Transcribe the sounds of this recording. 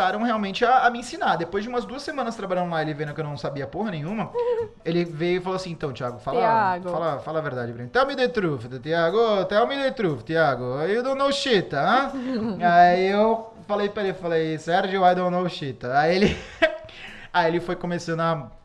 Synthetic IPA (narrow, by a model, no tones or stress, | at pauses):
aɾɐ̃w̃heawmẽnt͡ʃɪaːmɪĩsinaɾd̪epojzd͡ʒɪũmɐzd̪uɐsːemɐ̃nɐst̪ɾabaʎaɾ̃laelɪvẽnd̪ʊkewnɐ̃w̃sabiɐapoɦɐnẽj̃ɲ̃ũmɐ | elɪvejʊifaloɐasĩẽt̪ɐ̃w̃t͡ʃiaɡʊfallaɡffalɐfalɐveɾd̪ad͡ʒɪbɾẽnt̪ɐ̃mɪd̪et̪ɾufɪt̪ʊt̪iaɡʊt̪ɛmɪd̪ejt̪ɾufɪt̪iaɡʊaiʊd̪õw̃nowʃit̪ɐɐ̃ | aiew | falejpɾɐelɪfalejsɛɾd͡ʒewvajd̪õnowʃit̪ɐaielɪ | ajielɪfojkõmesɐ̃nɐ